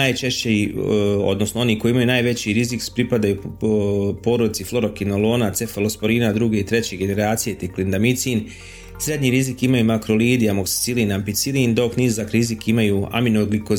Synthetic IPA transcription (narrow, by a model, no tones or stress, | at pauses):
aːjt͡ʃe̞ʃt͡ɕeio̞̰d̪no̞snoo̞niko̞jiimajunaːjʋe̞t͡ɕiɾizikspɾipad̪aju | po̞ːɾod̪it̪siflˠo̞ɾokinolˠoːnat̪sefelospoɾiːnad̪ɾuɡe̞it̪ɾe̞t͡ɕe̞ɡene̞ɾaːt̪sije̞t̪eklind̪amit̪sin | sɾe̞d̪ɲiɾizikimajumakɾoliːd̪ijamoksi̥t̪silinampit̪silind̪o̞kniːzakɾizikimajua̰minoɡliko